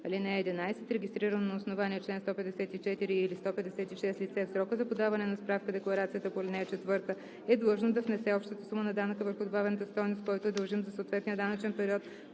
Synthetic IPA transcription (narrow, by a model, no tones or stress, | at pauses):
ɐlinɛɛd̪inajsɛt̪ɾɛɡʲist̪ɾiɾənnoːsnovaniɛt͡ʃlɛnst̪ɔpɛd̪ɛsɛt̪it͡ʃɛt̪iɾiːlist̪ɔpɛd̪ɛsɛt̪iʃɛst̪lit̪sɛfsɾɔkəzɐpod̪avɐnɛnɐspɾafkəd̪ɛklˠɐɾat̪sijət̪əpolʲinɛjət͡ʃɛt̪vɤɾt̪ə | ɛd̪lˠɤʒnod̪ɐfnɛsɛɔpʃt̪ət̪ə̥sumənɐd̪anəkəvəɾxʊd̪obavɛnət̪əst̪ɔjnost̪̚kɔjt̪oɛd̪ɐlˠʒimzɐsoːt̪vɛt̪nijəd̪anət͡ʃɛnpɛɾiɔt̪